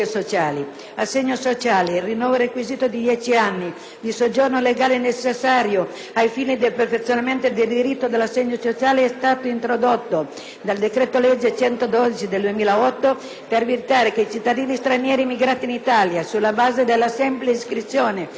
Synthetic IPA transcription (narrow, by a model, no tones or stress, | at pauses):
esot͡ʃaːli | asːeɲːosot͡ʃaːleilrinːɔːvoɾekwiziːt̪od̪id̪jɛt͡ʃianːi | d̪isod͡ʒːornoleɡaːlenet͡ʃːesːaːɾjo | ajfiːnid̪elperfet̪sːjonament̪od̪eld̪iɾit̪ːod̪elasːɛɲːosot͡ʃaːleɛst̪aːt̪oint̪ɾod̪ot̪ːo | d̪ald̪ekɾet̪olɛd͡ʒːet͡ʃɛnt̪od̪ɔd̪it͡ʃid̪eld̪uemiːlaɔt̪ːo | peɾrvirit̪aːɾekeit͡ʃit̪ːad̪iːnist̪ɾanjɛːɾimːiɡɾaːt̪iːnit̪aljasulːabaːzed̪elːasɛmpleiskɾit̪sːjoːne